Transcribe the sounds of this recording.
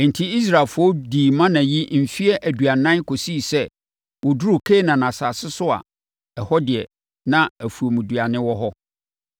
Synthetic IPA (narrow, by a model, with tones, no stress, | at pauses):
n̩˨tʰi˦i˦s̬ɾa˨lfʊ˦ɔ˦diː˨mã˦nã˨ji˦m̩˨fi˦ɛ˦ʔæ˨du˨a˨nã˦n˦kʰo˨si˦˨sɛ˦ | wɔ˨du˦ɾu˨kʰe˦nã˨nã˨saː˨sɪ˦sʊ˦a̰˨ | ɛ˨hɔ˦dɪ˨ɛ̰˨ | nã˦æ˨fu˨o˨mũ˨du˨a˨nɪ̃˦wɔ˦ɦɔ˦